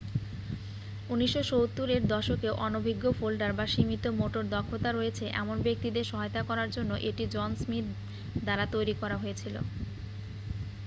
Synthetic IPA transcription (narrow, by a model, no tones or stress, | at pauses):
uniʃːot͡ɕowt̪ːuɾeɾd̪ɔʃokeoʔɔnobʱiɡːofolɖaɾbaʃimit̪omoʈoɾd̪ɔkʰːot̪aɾojet͡ɕʰeʔɛ̰monbek̚t̪id̪eɾʃɔɦajot̪akɔɾaɾd͡ʑonːoʔeʈid͡ʑɔnsmit̪̚ | d̪aɾat̪ojɾikɔɾaɦoet͡ɕʰilo̰